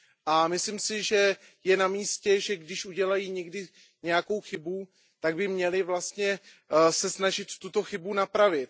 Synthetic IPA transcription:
ʔamɪslɪmsɪʒɛ | jɛnamiːscɛʒɛɡdɪʃʔuɟɛlajiɲɛɡdɪ | ɲɛjako̞wxɪbu | t̪aɡ̚bɪmɲɛlɪvlast̪ɲɛ | sɛsnaʒɪt̪ːut̪o̞xɪbunapɾavɪt̪̚

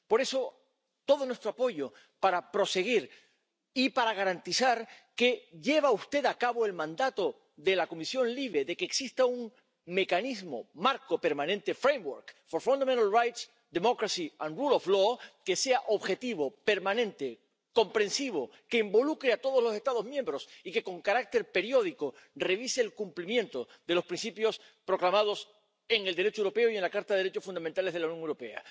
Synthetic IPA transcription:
po̞ɾe̞so̞ | t̪o̞ðo̞nwe̞st̪ɾoapo̞ʝo̞ | paɾapɾo̞se̞ɣ̞iɾ | ipaɾaɣ̞aɾant̪isaɾke̞ʝe̞β̞aust̪e̞ðakaβo̞e̞lmãnd̪at̪o̞ | ðe̞lako̞misjõ̞nliβe̞ðe̞keːksist̪auŋ | me̞kanizmo̞̰maɾko̞pe̞ɾmãnẽ̞nt̪e̞fɾejmwoɾkfo̞ɾfũnd̪ament̪alrajt̪s | d̪emo̞kɾasiãnrulofloke̞se̞aʔo̞βxe̞t̪iβo̞pe̞ɾmãnẽ̞nt̪e̞ | ko̞mpɾẽ̞nsiβ̞o̞ | ke̞imbo̞lukɾeat̪o̞ð̞o̞zlo̞se̞st̪að̞o̞zmjẽ̞mbɾo̞sike̞ko̞ŋkaɾak̚t̪e̞ɾpe̞ɾjo̞ð̞iko̞ | re̞βiseːlkumplimjent̪o̞ | ðe̞lo̞spɾinsipjo̞s | pɾo̞klamað̞o̞s | e̞ŋe̞ld̪eɾet͡ʃoewɾo̞pe̞oie̞nlakaɾt̪aðeeet͡ʃo̞sfund̪amẽnt̪ale̞zðlawnjoŋewɾo̞pe̞a̰

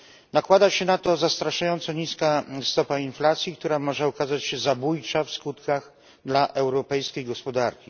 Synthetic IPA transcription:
nakwad̪aɕɛnat̪ɔzast̪ɾaʂajɔnt̪sɔɲiskast̪ɔpainflat̪sʲjikt̪uɾamɔʐɛɔkazat͡ɕɕɛzabujt͡ʂafskut̪kaɣ | d̪laʔɛwɾɔpɛjskʲejɡɔspɔd̪aɾkʲi

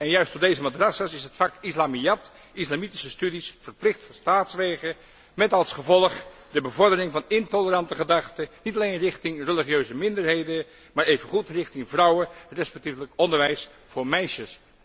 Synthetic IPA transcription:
ɛnjœɥstdodejzəmadrɑsasɪsɦətfɑkɪslaːmijɑt | ɪslamiti̥səstydisfəɹplɪχtfɔstaːtsʋeːχə | mɛtɑlˠsχəvɔlˠəχdəbəvɔɹdərɪŋvɑnɪntɔləɾɑntəχədɑχtənitɑlejnrɪχtɪŋrəliχjøɥzəmɪndəɹɦejdə | maːɹejvənχutrɪχtɪŋvrʌwərɛspɛk̚tifləkɔndəɹʋɛjs | fʊːɹmɛjʃəs

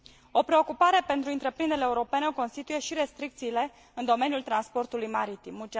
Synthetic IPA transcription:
o̞pɾe̞o̞kupaɾe̞pe̞nt̪ɾuɨnt̪ɾe̞pɾind̪eleːuɾo̞pe̞neko̞nst̪it̪uje̞ʃiɾe̞st̪ɾik̚t̪siːle̞ | ɨnd̪o̞me̞njult̪ɾanspo̞rt̪ulujmaɾit̪imut͡ʃ

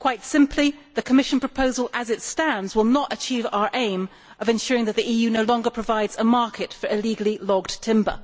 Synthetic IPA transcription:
kʰw̥aɪtsɪ̃mpʰliðɨkʰəmɪʃn̩pʰɹ̥əpʰoʊzəl̩ˠəzɨtstæ̃ndzwɪlˠnəɾɨt͡ʃʰiva̰ʊə˞ʔẽɪ̃m | ʔʌvɨ̃nʃʊɹɪ̃ŋðɨt̪̚ðiʔijʉnoʊlɔ̃ŋɡə˞pʰɹ̥ɨvaɪdz̥əmɑɹkʰɨtfə˞ɨliɡl̩ˠilɔɡtʰɪ̃mbə̰˞

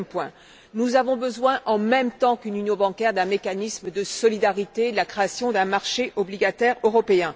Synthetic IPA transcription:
mpwɛ̃ | nuzavɔ̃bəzwɛ̃ʔɑ̃mɛmt̪ɑ̃kynynjɔ̃bɑ̃kʲɛʁd̪ɛ̃mekanismd̪əsɔlid̪aʁit̪elakχeasjɔ̃d̪ɛ̃maʁʃeʔɔbliɡat̪ɛʁøʁɔpeɛ̃

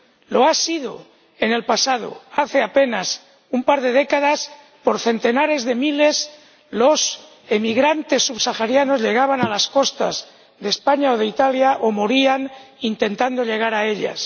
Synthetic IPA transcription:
lo̞asiðo̞̰ | e̞ne̞lpasað̞o̞̰aθe̞ape̞nas | umpaɾðe̞ð̞e̞kaðas | po̞ɾθe̞nt̪e̞naɾe̞zðe̞mile̞s | lo̞s | e̞miɣɾant̪e̞sːuβsaxaɾjano̞zʎe̞ɣ̞aβanalasko̞st̪a̰z | ðe̞ːspaɲao̞ð̞e̞it̪aljaʔomoɾianint̪e̞nt̪and̪o̞ʎe̞ɣ̞aɾae̞ʎa̰s

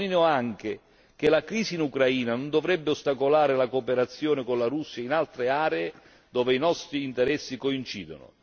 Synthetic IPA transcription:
ninoaŋk̟ɪ | k̟elakɾiːziːnukɾaiːnanond̪ovɾɛbːɪost̪akolaːɾɪlakopeɾat̪sːjɔːnɪkonlaɾusːjainalt̪ɾeaːɾee | d̪ɔːveinɔst̪ɾiːnt̪eɾɛsːikoint͡ʃiːd̪o̰nʊ̰

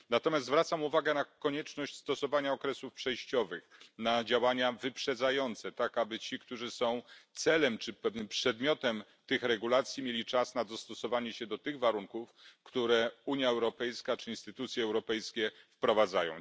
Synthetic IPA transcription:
nat̪ɔmʲjast̪zvɾat̪samuvaɡɛnakɔɲɛt͡ʂnɔɕt͡ɕst̪ɔsɔvaɲaɔkɾɛsufpʂɛjɕt͡ɕɔvɘxnad͡ʑawaɲavɘpʂɛd̪zajɔnt̪sɛt̪akabɘt͡ɕikt̪uʐɘsɔ̃w̃t̪sɛlɛmt͡ʂɘpɛvnɘmpʂɛd̪mʲjɔt̪ɛm | t̪ɘxɾɛɡulat̪sʲjimʲjelʲit͡ʂasnad̪ɔst̪ɔsɔvaɲɛɕɛd̪ɔt̪ɘɣvaɾuŋkufkt̪uɾɛuɲjaɛwɾɔpɛjskat͡ʂɘinst̪ɘt̪ut̪sʲjɛːwɾɔpɛjskʲɛfpɾɔvad̪zajɔ̰̃w̃

